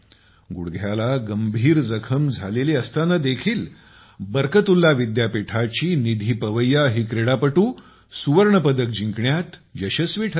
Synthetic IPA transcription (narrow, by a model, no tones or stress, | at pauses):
ɡuɽɡʱjalaɡəmbʱiːɾd͡zəkʰəmd͡zʱaleliːəst̪anəd̪ekʰiːl | bəɾkət̪ulːaʋid̪japiʈʰat͡ɕiːnid̪ʱiːpəʋəjːaɦiːkɾeɽapəʈuː | suʋəɾɳəpəd̪ək̚d͡ʑiŋkɳjat̪jəɕəsʋiːʈʰ